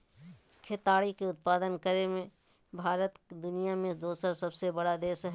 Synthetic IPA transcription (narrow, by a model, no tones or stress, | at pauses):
kʰet̪aːɽikeʊt̪̚paːd̪ənkəɾemẽ | bʱaːɾət̪kd̪ʊnijamẽd̪oːsəɾsɐbsebɐɽad̪eːsɦ